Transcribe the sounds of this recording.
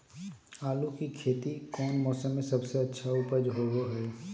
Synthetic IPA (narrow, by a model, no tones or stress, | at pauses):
aːlukikʰeːt̪ikɔːnmɔːsəmːẽsɐbseɐtːʃʰaʊpəd͡ʒɦoːɡoɦɛː